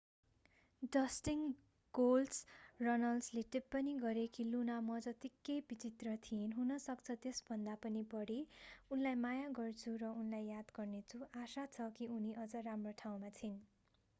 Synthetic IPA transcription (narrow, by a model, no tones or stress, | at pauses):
ɖʌsʈiŋ | ɡ̥olsrʌnʌlsleʈepːʌniɡʌɾekilunamʌd͡zʌt̪ikːejbit͡sit̪rʌt̪ʰijenɦunʌsʌkt͡sʰʌt̪esbʱʌnd̪apʌnibʌɽiunlajmajaɡʌrt͡sʰurʌunlajjad̪ɡʌrnet͡sʰuʔasat͡sʰʌkiuniʔʌd͡zʌramroʈʰaw̃mat͡sʰin